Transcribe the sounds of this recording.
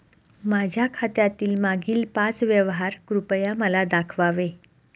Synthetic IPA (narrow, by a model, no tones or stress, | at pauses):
mad͡ʑʱjakʰat̪jat̪iːlmaɡiːlpat͡sʋjəʋɦaɾkɾupəjaməlad̪akʰʋaʋe